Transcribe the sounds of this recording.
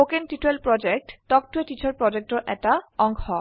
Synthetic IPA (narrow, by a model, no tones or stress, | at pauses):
okenʈituelpɹɔd͡ʑek̚ʈtɔk̚tueʈit͡ɕʰaɹpɹɔd͡ʑek̚ʈɔɹʔɛ̰ʈaɔŋɡɔ